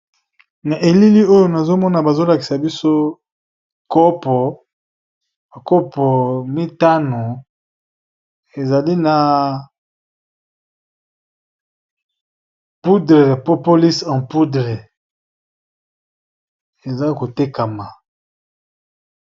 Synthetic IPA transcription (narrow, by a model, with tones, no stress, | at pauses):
na˨ʔe˨li˦li˦o˦jo˨na˨zo˦mɔ˦na˨ba˨zo˦la˨ki˨sa˨bi˦so˦ | kɔ˦pɔ˨ | a˨kɔ˦pɔ˨mi˦ta˦no˨ | e˨za˨li˦na˨ | pu˦dʁe˨po˦po˦li˦sã˨pu˦dʁɛ˨ | e˨za˦ko˨te˦ka˨ma˨